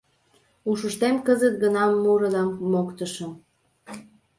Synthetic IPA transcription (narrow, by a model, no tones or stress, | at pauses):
uʃəʃt̪emkəzət̪̚ɡənɑmːuɾəlɑmːokt̪əʃəm